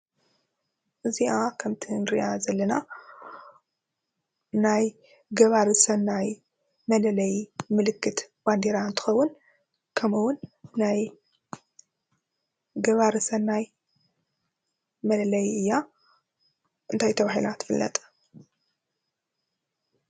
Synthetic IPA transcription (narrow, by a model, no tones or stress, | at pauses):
ʔɨziʔakʰɐmt̪ʰɨnɾiʔazɐlːɐna | naj | ɡɐβaɾɨsɐnːaj | mɐlɐlɐjmɨlɨkːɨt̪ | b̥and̪eɾaɨnt̪ʰɨ̥xɐwːʊn | kʰɐmɨwʊnːaj | ɡɐβaɾɨsɐnːaj | mɐlɐlɐjɨjːa | ɨnt̪ʰajt̪ʰɐβaɦilat̪ʰɨ̥fɨlːɐ̰t̪ʼ